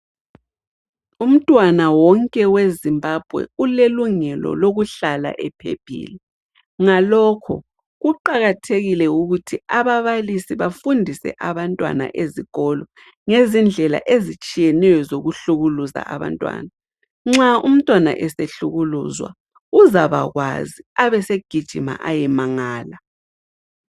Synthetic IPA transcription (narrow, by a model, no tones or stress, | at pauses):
um̩tʼwanawɔŋkʼɛwezimbab̥ʱwɛ̰uleluŋɛlɔ̰loɣuɬala̰ʔɛpʰḛb̥ʱḭːli | ŋalɔkʰɔ̰ | ɣuǃaɣatʰeɣilɛuɣutʰiaβaβalisiβafundʱisɛ̰ʔaβantʼwa̰na̰ʔeziɣɔlɔ | ŋezind͡ɮʱɛla̰ʔezit͡ʃʼijɛnɛjɔzoɣuɬuɣuluza̰ʔaβa̰ntʼwa̰ːna | ŋ͡ǁaum̩tʼwana̰ʔɛseɬuɣuluzwa̰ | uzaβa̰ɣwa̰ziaβɛseɡ̥ʱid̥ʒ̥ʱima̰ʔajɛmaŋaːla